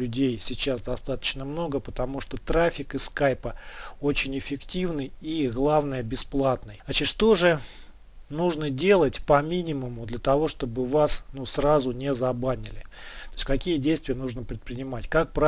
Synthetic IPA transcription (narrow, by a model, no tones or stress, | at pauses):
lʲʊdʲejsʲɪt͡ɕasd̪ɐst̪at̪ə̥t͡ɕnəmno̞ɡəpət̪ɐmuʂt̪ot̪ɾafʲɪkɨskajpəot͡ɕɪnʲɪfʲɪktʲivnɨjiɣlˠavnəjəbʲɪsplˠat̪nɨjnɐt͡ɕɪt̪ʂt̪o̞ʐɨ | nuʐnədʲelˠətʲpɐmʲinʲɪməmʊd̪lʲət̪ɐvo̞ʂt̪o̞bɨvasnusrazʊnʲɪzɐbanʲɪlʲɪt̪oɪsʲkɐkʲijədʲejst̪vʲɪjənuʐnəpɾʲɪt̪̚pɾʲɪnʲɪmatʲkak̚pɾa